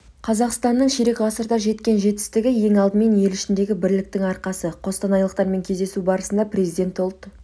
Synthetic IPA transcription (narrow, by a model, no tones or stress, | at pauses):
qʰɑzɑqst̪ɑnːəɴʃeɾe̞kʁɑsəɾt̪ɑʒe̞t̪kʲe̞nʒe̞t̪ɪ̥st̪ɪɡʲɪje̞ŋɑlˠd̪əme̞nje̞lɪʃɪnd̪e̞ɡʲɪbɪɾlɪk̚t̪ɪŋɑɾqɑsəqʰo̞st̪ɑnɑjlˠəq̚t̪ɑɾme̞ŋkʲʰe̞zd̪e̞subɑɾəsənd̪ɑprʲe̞zijd̪ʲe̞nt̪olˠt̪ːə